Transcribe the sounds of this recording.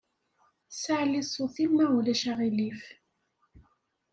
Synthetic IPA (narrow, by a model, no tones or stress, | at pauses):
saʕlisˤoθilmæulæʃaʁilif